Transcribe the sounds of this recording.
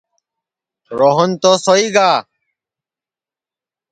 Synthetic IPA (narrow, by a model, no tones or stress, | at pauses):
ɾoːɦənt̪oːsoːiːɡaː